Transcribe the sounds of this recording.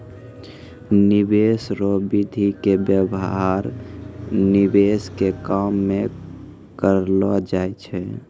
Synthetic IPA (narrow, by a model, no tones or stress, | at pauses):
nibesɾobid̪ʱikebjəbɦaɾ | nibeskekamːe | kəɾlɔd͡ʒaet͡ʃʰɛ